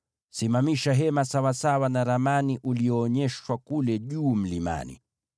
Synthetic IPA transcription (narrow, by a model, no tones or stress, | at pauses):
simamiʃaɦɛmasawasawanaɾamaniʔuliɔːɲɛʃwakulɛʄuːm̩lima̰nḭ